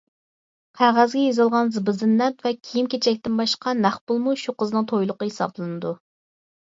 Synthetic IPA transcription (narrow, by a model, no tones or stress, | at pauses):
qʰæʁæzɡʲɛjezɨlˠʁɑnzɨbɨzɨnːɛpvɛkʲʰijimkʲʰet͡ʃʰɛk̚ʲt̪ɪnbɑʃqɑnæχbʊlˠmuʃuqəznɨŋt̪ʰojlˠʊqəhesɑ̰blˠɨnɨd̪u